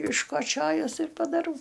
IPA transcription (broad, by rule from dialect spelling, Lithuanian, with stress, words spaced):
ɪʃkoːˈt͡ʃʲoːjʊs ɪr pɐdɐˈrɐʊ